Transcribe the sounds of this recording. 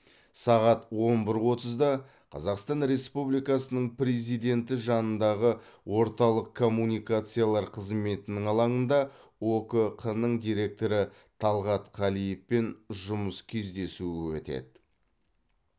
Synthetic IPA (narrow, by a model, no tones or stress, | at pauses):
sɑʁɑt̪wo̞nbɪɾwo̞t̪əzd̪ɑ | qʰɑ̰zɑqst̪ɑnɾe̞spublijkɑsənəɴpɾe̞zijd̪e̞nt̪ɪʒɑnənd̪ɑʁəwo̞ɾt̪ɑlˠəqʰːo̞mːunijkat̪sɨjalˠɑɾqʰəzme̞t̪ɪnɪŋɑlˠɑɴənd̪ɑ | wokəqʰənəɴd̪ijɾe̞k̚t̪o̞ɾə | t̪ʰɑlˠʁɑt̪qʰɑlijefpe̞nʒʊməskʲʰe̞zd̪e̞suɪwɵt̪ḛd̪ɪ